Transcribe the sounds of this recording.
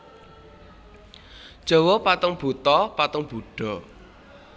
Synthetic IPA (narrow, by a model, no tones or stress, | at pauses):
d̥ʒ̥ɔ̤wɔpat̪ʊŋb̥ṳt̪ɔpat̪ʊŋb̥ṳɖ̥ɔ̤